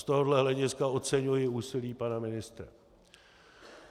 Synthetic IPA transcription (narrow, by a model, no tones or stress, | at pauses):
st̪oɦodlɛɦlɛɟɪskao̞t͡sɛɲujɪuːsɪliːpanamɪnɪst̪ɾɛ̰